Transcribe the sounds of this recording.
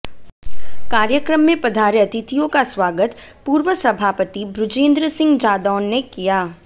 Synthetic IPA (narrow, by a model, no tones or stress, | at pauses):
kaːɾjəkɾəmːẽpɐd̪ʱaːɾjɐt̪ɪt̪ijõkaswaːɡət̪puːɾʋəsɐbʱaːpət̪ibɾʊd͡ʒẽːnd̪ɾəsɪ̃ŋɡd͡ʒaːd̪ɔːnːekijaː